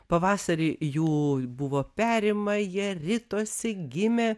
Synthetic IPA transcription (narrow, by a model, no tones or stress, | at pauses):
pɐʋɑːsɐɾʲiːjuːbʊʋoːpʲæːɾʲɪmɐjiɛɾʲɪt̪oːsʲɪɡʲɪmʲeː